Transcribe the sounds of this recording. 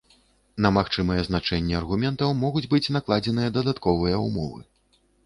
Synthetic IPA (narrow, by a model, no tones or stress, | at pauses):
nɐmaxt͡ʂɨmɐjɛznat͡ʂɛnʲːɛɐrɣumʲɛnt̪ɐwmɔɣud͡zʲbɨt͡sʲnaklˠad͡zʲɛnɨjɐd̪ɐd̪at̪kɔvɨjɐṵmɔ̰vɨ̰